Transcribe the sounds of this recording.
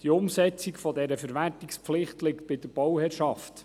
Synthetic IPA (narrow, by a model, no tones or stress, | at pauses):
d̥iʊmsɛt͡sikfɔdɛɾəfəɾʋærtikspflɪχtlɪkt̚b̥ɪd̥̪əɾb̥ɔwhɛːɾʃɑft